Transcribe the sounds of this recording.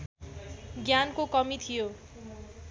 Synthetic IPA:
ɡjankokʌmit̪ʰijo

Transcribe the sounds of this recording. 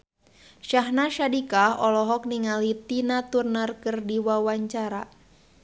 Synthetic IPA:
ʃaɦnaʃadikaɔlɔɦɔk̚niŋalit̪inat̪urnarkɨrdiwawaɲt͡ʃaɾa

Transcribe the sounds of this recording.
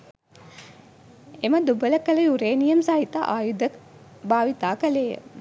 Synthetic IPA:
eməd̪ubələkələjuɾeːnijəmsaɦit̪a̰ʔaːjud̪əkbaːʋit̪aːkəleːjə̰

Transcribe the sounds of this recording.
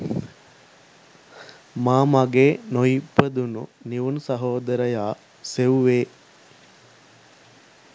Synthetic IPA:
maːmaɡeːnojipːəd̪unṵniʋunusɐɦoːd̪ɐɾəjaː | seʋeː

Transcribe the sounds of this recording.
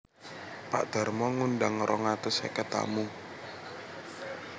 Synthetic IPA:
pa̰ʔd̪̥a̤rmɔŋundaŋɾʔɔŋat̪ʊsɛ̰kɛt̪a̰mu

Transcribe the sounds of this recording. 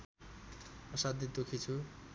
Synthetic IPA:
pʌsad̪ʱid̪okʰit͡sʰu

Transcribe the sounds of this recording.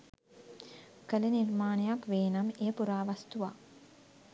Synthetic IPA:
kəlenirmaːnejakʋeːnamejəpuɾaːʋast̪uʋa̰ː

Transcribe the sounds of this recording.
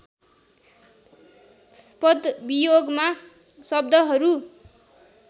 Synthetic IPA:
pʌd̪bijoɡma | sʌb̚d̪ʱʌɦʌɾu

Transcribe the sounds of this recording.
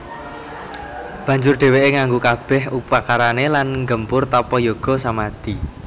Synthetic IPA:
b̥ä̤ɲd͡ʒʊrɖ̥e̤weʔeŋaŋɡukab̥ɛ̤hupakaɾanelanŋɡəmpʊrt̪apɔjoɡ̥ɔ̤samad̪̥i

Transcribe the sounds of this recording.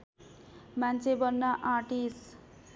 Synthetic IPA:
mant͡sʰebʌnːaʔaʈis

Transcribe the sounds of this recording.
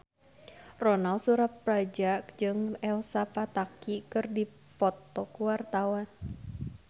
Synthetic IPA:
rɔnalsuɾat̪̚pɾad͡ʒakd͡ʒɨŋɛlsapat̪akikɨrdi | pɔt̪ɔkuwart̪awan

